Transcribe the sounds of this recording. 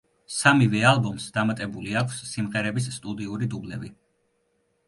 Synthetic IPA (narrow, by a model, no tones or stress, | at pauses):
samivɛalˠbɔmsd̪amat̪ʼɛbuliakʷʰsːimʁɛɾɛbisːt̪ʼud̪iuɾid̪ublɛbi